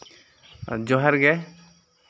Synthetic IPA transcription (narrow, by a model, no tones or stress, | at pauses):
d͡ʒɔɦaɾɡɛ